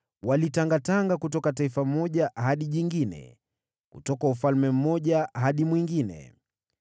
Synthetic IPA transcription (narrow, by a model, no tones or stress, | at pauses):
walitaŋɡataŋɡakutɔkat̬aifam̩mɔʄaɦaɗiʄiŋɡinɛ̰ | kutɔkaufalmɛm̩mɔʄaɦaɗimwiŋɡinɛ̰